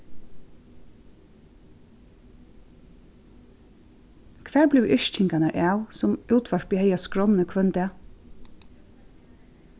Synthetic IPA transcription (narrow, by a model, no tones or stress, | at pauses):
kʰʋæːɹblɪːʔʏʃt͡ʃɪŋɡɑnəʔæːsɔmʉːt̪ʰʋɑʃb̥iːhœɪɑskɹɔnəkʰʋœnd̪ə